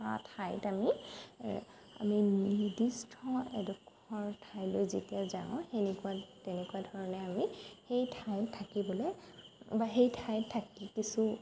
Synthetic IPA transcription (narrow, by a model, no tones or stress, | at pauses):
a̰tʰajtami | a̰minidistʰɔɛdɔkʰ | ɔɹtʰajlojzetiazaʊ̃xenɛkuwatɛnɛkuadʱɔɹɔnɛamixejtʰajltʰːakibɔlojbaɦejtʰajltʰːakikisu